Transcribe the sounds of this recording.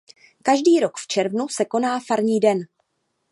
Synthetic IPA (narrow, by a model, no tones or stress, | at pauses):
kaʒdiːɾo̞kft͡ʃɛɾvnusɛko̞naːfaɾɲiːdɛn